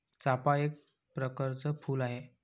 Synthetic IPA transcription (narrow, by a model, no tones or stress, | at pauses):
t͡sapaek̚ | pɾəkəɾt͡səfuːlaɦe